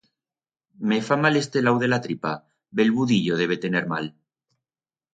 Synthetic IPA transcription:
mefamale̞st̪e̞lawðe̞lat̪ɾipa | be̞lβuðiʎoð̞e̞β̞e̞t̪e̞neɾma̰l

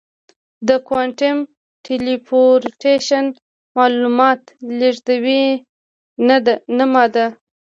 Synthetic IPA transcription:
d̪əkwaɳʈɪm | ʈʰelipoɾʈeʃan | mɑlumɑt̪leʐd̪awi | nad̪namɑd̪a

